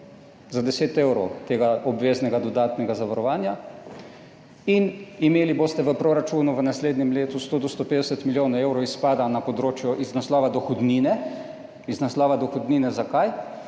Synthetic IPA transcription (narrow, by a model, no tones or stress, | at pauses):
zad̪ɛseːt̪ewɾɔwt̪eːɡaʔɔbʋeːznɛɡad̪ɔd̪aːt̪nɛɡazaʋaɾɔʋaːnja | inimeːliboːst̪ɛʋəpɾoɾat͡ʃuːnuʋənasleːd̪nɛmleːt̪ust̪oːd̪ost̪opeːd̪ɛsɛt̪miljoːnewɾɔispaːd̪anapɔd̪ɾoːt͡ʃjɔʔiznaslɔːʋad̪ɔxɔd̪niːnɛ | iznaslɔːʋad̪ɔxɔd̪niːnɛzakaj